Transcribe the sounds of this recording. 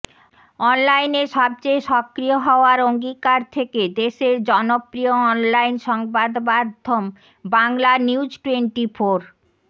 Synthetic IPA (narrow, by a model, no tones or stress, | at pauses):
ɔnlajneɾʃɔb̚t͡ɕejʃɔkɾijoɦɔoaɾoŋɡikaɾt̪ʰeked̪eʃeɾd͡ʑɔnopɾioɔnlajnʃɔŋbad̪bad̪ʱːom | baŋlaniwd͡ʑʈweɳʈifoɾ